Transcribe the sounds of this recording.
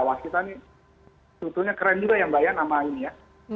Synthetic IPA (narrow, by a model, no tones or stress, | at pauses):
awaskit̪ani | t̪ut̪uɲakəɾənd͡ʒuɡajaŋbajaʔnamainija